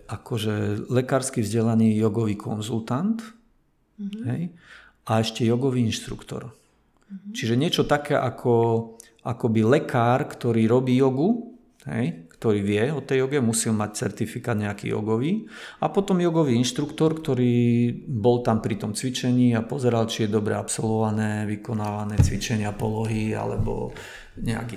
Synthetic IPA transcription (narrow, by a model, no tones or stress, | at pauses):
ʔakɔʒɛlɛkaːɾskivzɟɛlaniːjɔɡɔʋiːkʰɔ̰nzult̪ant̪ | ɦɛ̰j | aɛʃcɛjɔɡɔʋiːinʃt̪ɾṵkt̪ɔ̰ɾ | t͡ʃiʒɛɲɪɛt͡ʃɔt̪akɛːʔakʰɔ | ʔakɔbilɛkʰaːɾkt̪ɔɾiːɾɔbiːjɔɡu | ɦɛ̰jkt̪ɔɾiːʋɪɛɔt̪ɛjjɔɡɛmusilmact͡sɛ̰ɾt̪ifikaːd̪ɲɛakḭjɔ̰ɡɔʋiːapɔt̪ɔmjɔɡɔʋiːinʃt̪ɾukt̪ɔɾkt̪ɔɾiːbɔlt̪ampɾit̪ɔmt͡sʋit͡ʃɛɲiːapɔzɛɾalt͡ʃijɛd̪ɔbɾɛ̰apsɔlʋɔʋanɛːʋikɔnaːʋanɛːt͡sʋit͡ʃɛɲɪapɔlɔɦia̰lɛ̰bɔ̰ | ɲɛa̰ki